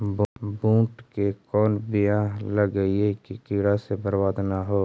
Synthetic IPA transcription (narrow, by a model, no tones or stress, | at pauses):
bbũːʈkekɔːnbɪjãləɡəiekikɪːɾasebəɾwaːd̪naɦoː